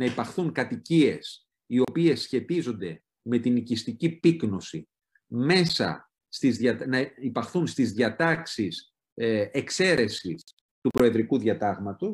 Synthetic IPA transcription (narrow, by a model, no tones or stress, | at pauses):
nɐipɐxθuŋkɐt̪icie̞s | io̞pie̞sçe̞t̪izo̞nd̪e̞ | me̞t̪inicist̪icipikno̞si | me̞sɐ̰ | st̪izðɐt̪nɐipɐxθunst̪izðʝɐt̪ɐksis | ekse̞ɾe̞sis | t̪upɾo̞e̞ðɾikuðɐt̪ɐɣmɐt̪o̞s